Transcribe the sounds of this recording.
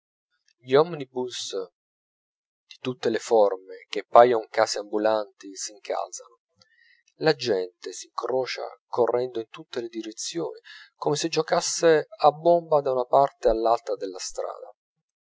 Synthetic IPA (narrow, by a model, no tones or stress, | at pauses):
ʎiɔmnibus | d̪̥it̪ut̪ːelefɔrmek̟epːajoŋkaːsiambulant̪isiŋkʰa̰lsano | lad͡ʒɛnt̪esiŋkɾɔːt͡ʃa̰korːʔɛnd̪oint̪ut̪ːeled̪iɾet̪sːjo̰ːnikomesed͡ʒokasːeabːombad̪aunapart̪ealːalt̪ɾad̪elːast̪ɾa̰ːd̪a